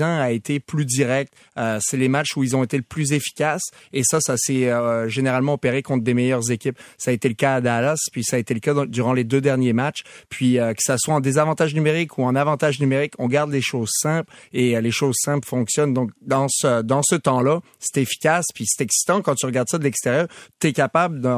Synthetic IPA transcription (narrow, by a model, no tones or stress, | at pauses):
ɛ̃aet̪ʰeplyd̪iʁɛk̚t̪ | øsɛlemat͡ʃuilzɔ̃et̪eləplyzefi̥kʲasesasasɛøʒeneʁalmɑ̃ɔpeʁekɔ̃t̪χd̪emɛjœʁzekʲipsaːet̪eləkaːd̪alaspɥisaːet̪eləkad̪yʁɑ̃led̪ød̪ɛʁnjemat͡ʃpɥiøkə̥saswaɑ̃d̪ezavɑ̃t̪aʒnymeʁikʰuɛ̃navɑ̃t̪aʒnymeʁikɔ̃ɡaʁd̪leʃozsɛ̃pleleʃozsɛ̃plfɔ̃ksjɔnd̪ɔ̃k̚d̪ɑ̃səd̪ɑ̃sət̪ɑ̃la | se̥t̪efi̥kʲaspɥise̥t̪ɛksi̥t̪ɑ̃kɑ̃t̪yʁəɡaʁd̪sad̪əlɛkst̪eʁjœːʁt̪yɛkapabləd̪ə